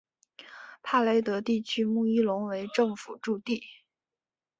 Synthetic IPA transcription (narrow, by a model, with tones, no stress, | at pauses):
pʰa˥˩le˧˥ɪt̪ɤ˧˥t̪i˥˩t͡ɕʰy˥mu˥˧i˥˩lʊ˧˥ŋwe˧˥ɪʈ͡ʂɤ˥˩ŋfṵ˨˩ʈ͡ʂu˥˧t̪i˥˩